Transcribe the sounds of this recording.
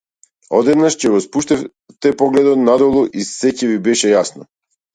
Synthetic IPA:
ɔd̪ɛd̪naʃcɛɡɔspuʃt̪ɛf | t̪ɛpɔɡlɛd̪ɔt̪nad̪ɔlˠuʔisɛcɛvibɛʃɛjasnɔ

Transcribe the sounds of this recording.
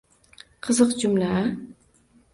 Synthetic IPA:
qʰɨzɨqd͡ʒʊmlaa

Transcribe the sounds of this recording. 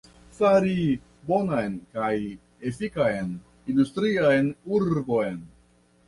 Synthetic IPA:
saɾi | bo̞najnkaj | efikajn | industɾiajnuɾbo̞jn

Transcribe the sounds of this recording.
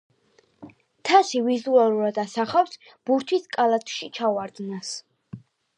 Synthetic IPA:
t̪ʰasivizualuɾad̪asaχafs | b̥uɾt̪ʰiskʼalat̪ʰʃit͡ʃʰawaɾd̪nas

